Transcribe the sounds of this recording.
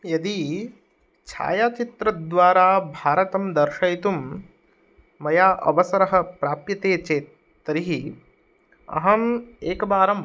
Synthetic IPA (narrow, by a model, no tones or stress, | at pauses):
jɐd̪i | t͡ʃʰa̰ːjaːt͡ʃit̪ɾɐd̪ʋaːɾaːbʱaːɾɐt̪ɐmd̪ɐɾʃɐjt̪um | ɐjaːʔɐ̰ʋɐsɐɾɐɦɐ̆pɾaːpjɐt̪eːt͡ʃeː | t̪ːɐɾiɦi | ɐ̰ɦɐmeːkɐbaːɾɐm